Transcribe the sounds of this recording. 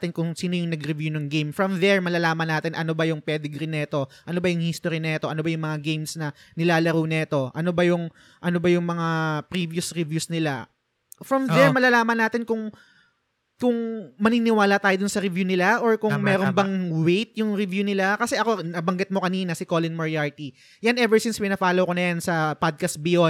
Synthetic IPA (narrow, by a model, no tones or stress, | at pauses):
t̪ɪnkʊŋsiːnojʊŋnɐɡɾɪvjunɐŋɡejmfɹɐmðɛɹmɐlɐlaːmɐnːaːt̪ɪnʔɐnobɐjʊŋpɛd̪ɛɡɾɪnɛt̪o̞ʔɐno̞bɐjʊŋhist̪oɾinɛːt̪oʔɐno̞bɐjʊŋmɐŋaɡejmsnɐnɪlaːlɐɾownɛːt̪o̞ʔɐno̞bɐjʊŋ | ʔɐnobɐjʊŋmɐŋapɾiːviʊsɾɪvjusnɪla | fɹɐmd̪ɛɹmɐlɐlaːmɐnːaːt̪ɪnkʊŋ | kʊŋmɐniːnɪwaːlɐt̪aːjo̞d̪ʊnsɐɾɪvjuːnɪlaʔoɹkʊmɛːɾonbɐŋwejt̪̚jʊŋɾɪvjuːnɪlakɐsɛʔɐko̞nɐbɐŋɡɪt̪̚mokɐniːnɐsɪko̞lɪnmɐɹjaɹt̪i | janʔɛvɛɹsɪnspɪnɐfaːlowkonɐjansɐpad̪̚kɐst̪̚bɪjo